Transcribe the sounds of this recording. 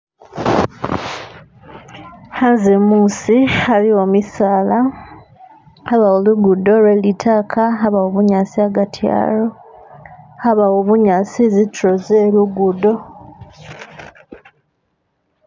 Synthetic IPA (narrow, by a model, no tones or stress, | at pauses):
hanzemuːsialio̞misaːla | aβawoluɡudo̞ɾwelitʰakʰaɦaβawoβuɲasiaɡatʰja̰ːlo | haβawoβuɲaːsizitɾozeluɡudo̞